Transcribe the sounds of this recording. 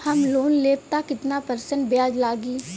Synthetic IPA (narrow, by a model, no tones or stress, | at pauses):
həmloːnleːpt̪aːkɪt̪naːpəɾsəɳʈ̚bjaːd͡ʒlaːɡiː